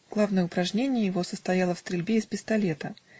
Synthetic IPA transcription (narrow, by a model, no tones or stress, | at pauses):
ɡ̥lˠavnəjəʊpɾɐʐnʲenʲɪjəjɪvo̞səst̪ɐjalˠəfst̪ɾʲɪlʲbʲeɪspʲɪst̪ɐlʲe̞t̪ə